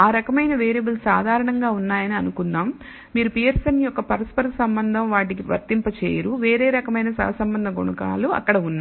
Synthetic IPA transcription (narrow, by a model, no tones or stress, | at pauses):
aːɾɐkɐmɐjnɐʋeːɾebɐlsaːd̪ʱaːɾɐɳɐŋɡaːunːaːjɐniɐnukunːaːmː | iːɾupiːeɾsɐnjɔkːɐpɐɾɐspɐɾsɐmbɐnd̪ʱɐmʋaːʈ̬ikiʋɐ̰ɾt̪impɐt͡ʃḛːjɐɾuʋeːɾeːɾɐkɐmɐjnɐsɐ̰ɐsɐmbɐnd̪ʱɐɡoɳɐka̰ːluɐ̰kːɐɽɐunːa